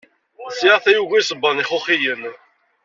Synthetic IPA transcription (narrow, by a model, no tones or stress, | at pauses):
siθæjuʝæjsˤəbːəniχʊχijən